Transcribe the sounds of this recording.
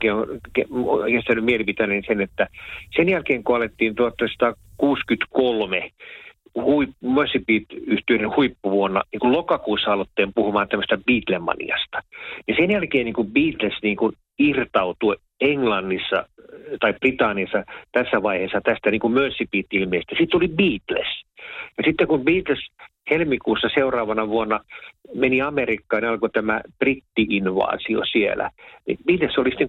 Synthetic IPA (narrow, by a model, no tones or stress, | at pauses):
keokeokest̪ænːymielipit̪ænensenet̪ːæsenjælkeːŋkoɑlet̪ːiːnt̪uot̪ːɑsɑ̥t̪ɑ | kuːskyt̪kolme | huipumøsːipiːt̪yht̪yøinenhuipːuʋuonːɑ̰niːŋkulokɑkuːsːɑɑlot̪ːeːmpuhumɑːnt̪æmːøst̪æb̥iːt̪lemːɑ̰nḭɑ̰st̪ɑ̥nisenjælkeːnniːŋkubiːt̪lesniːŋkun | irt̪ɑut̪u | eŋlɑnːisːɑ̰t̪ɑipprit̪ɑnːiɑsːɑt̪æsːæʋɑiheːsːɑt̪æst̪æniːŋkummønsːipiːt̪ːiilmiest̪ːæsit̪ːolibiːt̪lḛsjɑsit̪ːekumbiːt̪les | helmikuːsːɑseurɑːʋɑnɑʋuonːɑmeniɑmerikːɑːniɑlkot̪æmæb̥rit̪ːiinʋɑ̰ːsio̰siḛlæ̰nḭb̥iːt̪lesːolisit̪ːeŋ